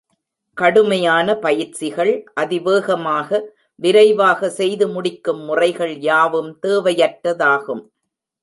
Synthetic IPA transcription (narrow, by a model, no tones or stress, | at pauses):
kɐɽɯmɐjaːnɐpɐjɪɾt͡ʃɪɣɐɭʔɐðɪʋeːɣɐmaːɣɐ | ʋɪɾɐɪʋaːɣɐsɛjðɯmʊɽɪkːɯmːʊrɐɪɣɐɭjaːʋɯmt̪eːʋɐjɐʈːɐðaːɣɯm